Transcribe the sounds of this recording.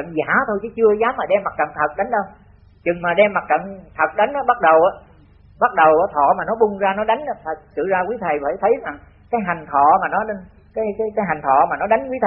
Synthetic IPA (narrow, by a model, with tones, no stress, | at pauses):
ə̰˧˨nzaː˧˩˦t̪ʰo˧jt͡ɕɨ˨˦t͡ɕɨ˧əzaː˨˦mːaː˨˩ɗɛ˧mːa˨˩k̚t͡ɕə̰˧˨ŋt̪ʰə˨˩t̚ɗa˨˦jŋ̟ɗə˧w | t͡ɕɨ˨˩ŋmaː˨˩ɗɛ˧mːa˨˩t̚t͡ɕə̰˧˨nt̪ʰə˨˩t̚ɗa˨˦ŋ̟ʔaː˨˦ɓa˦˥t̚ɗə˨˩wʔaː˨˦ | ɓa˦˥t̚ɗə˨˩wʔaː˨˦t̪ʰɔ̰˧˨maː˨˩nɔ˨˦ɓʊ˧ŋ͡mzaː˧nɔ˨˦ɗa˨˦jŋ̟ʔa˨˦t̪ʰə˨˩t̚sɨ̰˧˨zaː˧kwi˨˦˥t̪ʰə˨˩jfʰəː˧˩jt̪ʰə˨˦jza˨˩ŋ | kaː˨˦jɦa˨˩jŋ̟t̪ʰɔ̰˧˨maː˨˩nɔ˨˦ɗe˧n | kaː˨˦jkaː˨˦jkaː˨˦jɦa˨˩ŋ̟t̪ʰɔ̰˧˨maː˨˩nɔ˨˦ɗa˨˦jŋ̟kwi˨˦t̪ʰ